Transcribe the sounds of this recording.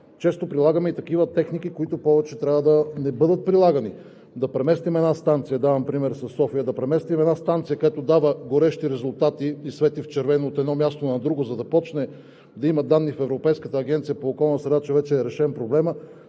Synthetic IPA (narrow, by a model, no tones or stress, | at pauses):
t͡ʃɛst̪opɾilˠaɡəmɛit̪ɐk̟ivət̪ɛxnik̟ikoit̪ʊpɔvɛt͡ʃɛt̪ɾʲavəd̪ɐnɛbɤd̪ət̪̚pɾilˠaɡɐni | d̪ɐpɾɛmɛst̪imɛd̪nast̪ant̪sijəd̪avɐmpɾimɛɾsɐsːɔfijəd̪ɐpɾɛmɛst̪imɛd̪nast̪ant̪sijəkoɛt̪od̪avəɡoɾɛʃt̪iɾɛzʊlˠt̪at̪iːsvɛt̪ift͡ʃɛɾvɛnoːt̪ɛd̪nɔmjast̪onɐd̪ɾuɡozɐd̪ɐpɔt͡ʃnɛ | d̪ɐiməd̪anːifɛvɾopɛjskət̪əːɡ̟ɛnt̪sijəpoːkɔlˠnəsɾɛd̪at͡ʃɛvɛt͡ʃɛːɾɛʃɛmpɾoblɛmə